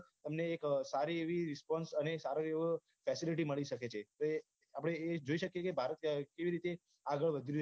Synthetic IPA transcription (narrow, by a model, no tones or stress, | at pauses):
t̪əmneːksaɾieʋiɾɪspɔnsənesaɾəeʋ | fɛsiliʈ̬iməɭiʃəket͡ʃʰet̪oe | apɽ̃eːd͡ʒoiʃəkjekebʱaɾət̪keʋiɾit̪e | aɡəɭʋəd̪ʱiu